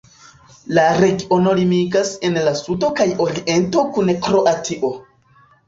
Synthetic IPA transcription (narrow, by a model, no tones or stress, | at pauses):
laɾe̞ɡio̞no̞limiɡase̞nlasudo̞kajo̞ɾiʔe̞nto̞kunekɾo̞ʔatʰiʔo̞